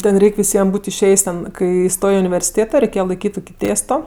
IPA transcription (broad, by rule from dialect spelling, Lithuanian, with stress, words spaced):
ˈtʲɛn ˈrʲɛɪkʲ ʋʲɪˈsʲiɛm ˈbuːtʲ ɪʃʲˈeːjsʲ tʲɛn ˈkɐɪ ˈstoːj ɪ ʊnʲɪʋʲɛrʲsʲɪˈtʲeːtoː rʲɛɪˈkʲeːjɛ lˠɐɪˈkʲiːtʲ ˈtʊkʲɪ ˈtʲeːstoː